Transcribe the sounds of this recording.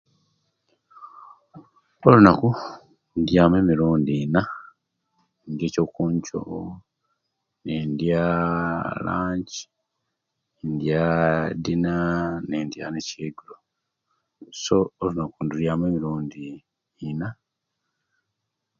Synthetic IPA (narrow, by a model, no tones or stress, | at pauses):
olunaku | ndjaːme̞ːmiɾuːndina | ndjecokuːɲco̰ | nendja | la̰ːɲɟi̥ | endjadinanendja̰neceːɡulo | so̞ːlunakunduɾjaːmweːmiɾuːndiː | na